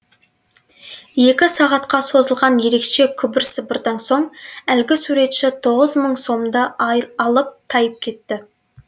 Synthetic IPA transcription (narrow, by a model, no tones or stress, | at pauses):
je̞kʲɪsɑʁɑt̪qɑso̞zəlˠʁɑnje̞ɾe̞kʃe̞kʲʰʏbɪɾsəbəɾd̪ɑnso̞ɴælɡʲɪsuɾe̞t̪ʃɪt̪ʰo̞ʁəzməɴso̞md̪ɑɑlˠəp̚t̪ʰɑjəp̚kʲʰe̞t̪ːɪ